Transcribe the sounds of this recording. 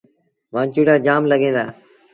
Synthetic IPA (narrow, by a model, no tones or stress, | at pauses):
ʋãːt͡ʃiːɽaːd͡ʒaːmləɠẽːnd̪a̰ː